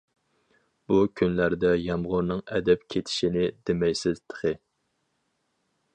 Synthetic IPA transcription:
b̥ukʲʰynlæɾd̪ɛjɑmʁʊɾnɨŋɛ̰d̪ɛpkʲʰet̪ʰɪ̥ʃinɪd̪emɛjsɪz̥t̪ʰə̥χɨ

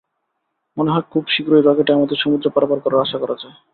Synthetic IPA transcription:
moneɦɔekʰubʃikɾoeɾɔkeʈɛmɔd̪eʃomud̪ɾopaɾapaɾkɔɾaɾaʃakɔɾad͡ʑae

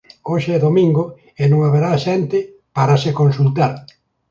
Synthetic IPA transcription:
oʃeɛðomĩŋɡo | enõŋaβeɾaʃɛnt̪ɪ | paɾasekonsult̪aɾ

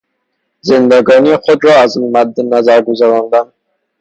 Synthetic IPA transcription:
zend̪æɡɒniχod̪ɾɒːazmad̪ːenæzæɾɡozæɾɑnd̪æn

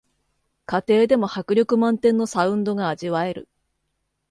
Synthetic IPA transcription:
kat̪e̞ːd̪e̞mo̞hakɯ̟ɾʲo̞kɯ̟mãnt̪ẽ̞nːo̞saɯ̟̃nd̪o̞ɡaːʑiβae̞ɾɯ̟̰

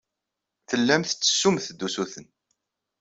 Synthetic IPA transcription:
θəlːæmθt͡sːə̥sːumθd̪ːusuθən

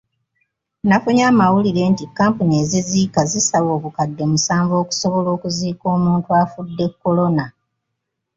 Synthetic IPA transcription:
nafuɲaːmawuliɾe̞ːntikːaːmpuɲie̞ːziziːkazisaβo̞ːβukadːe̞musaːɱvo̞ːku̥so̞βo̞lo̞ːkuziːko̞ːmuːntuafudːe̞kːo̞lo̞na

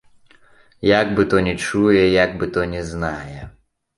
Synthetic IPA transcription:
jaɡbɨt̪ɔnʲɛt͡ʃujɛjaɡ̚bɨt̪ɔnʲɛznajɛ

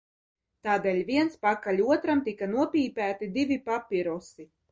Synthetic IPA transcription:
t̪aːd̪ɛːlʲviɛnspakalʲuɔt̪ɾamt̪ikanuɔpʲiːpæːt̪id̪ivipapʲiɾɔsi

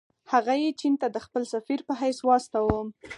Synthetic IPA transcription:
haɣajet͡ʃint̪ad̪əxpəlsafiɾpəɦajswɑst̪awəm

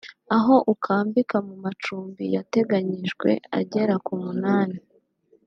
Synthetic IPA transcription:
aɦo̞ʔukʰaːmbikamumat͡ʃuːmbijate̞ɡaɲiʃɡwe̞̰a̰ɟe̞ɾakumunaːni

